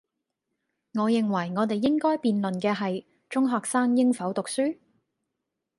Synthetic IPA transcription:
ŋɔː˨˧jɪ˨ŋwɐ˨˩jŋɔː˨˧t̪e˨jːɪ˥ŋkɔː˥jpiː˨nlɵ˨nkɛː˧ɦɐ˨j | t͡ʃʊ˥ŋɦɔː˨˩k̚saː˥ŋjɪ˥ŋfɐ˨˥wt̪ʊ˨k̚syː˥

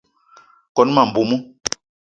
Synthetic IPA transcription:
kɔ˨˦n˦ma˨m̩˨bu˨mu˦

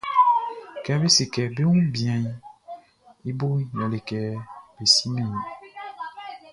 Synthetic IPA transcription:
kɛ˨˦be˦si˨kɛ˨be˦wũ˦bi˨ã˨i˨ | e˦bo˦ja˨le˨kɛ˨be˨si˦nẽ˨ũ˨

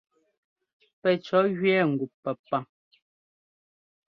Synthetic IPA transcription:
pɛ˨t͡ʃɔ˨˦ɣɥɛː˦˨ŋ̩˨ɡu˨pːɛ˨pːa˨

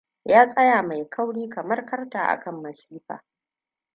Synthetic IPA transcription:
jaː˦sʼɐ˦jaː˨ma˨jkʰɐ˦wɽiː˦kɐ˨mɐ˦rkɐ˦rtaː˨ʔa̰˨kʰɐ˦˨mːɐ˨siː˦ɸa̰ː˨

